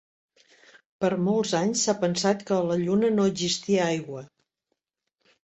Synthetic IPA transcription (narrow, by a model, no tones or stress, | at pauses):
pəɾmolˠzaɲsːapənsat̪kələʎunənoəzist̪iəajɣwə